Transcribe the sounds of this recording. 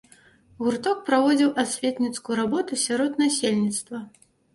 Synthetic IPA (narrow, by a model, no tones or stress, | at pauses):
ɣurt̪ɔk̚pɾavɔd͡zʲiwʔasʲvʲet̪ʲnʲit̪skujuɾabɔt̪usʲaɾɔt̪nasʲelʲnʲit̪st̪vɐ